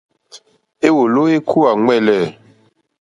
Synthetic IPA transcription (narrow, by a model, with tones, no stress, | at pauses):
e˦wo˨lo˦e˦kʰu˦a˨ŋɛ˦˨lɛ˨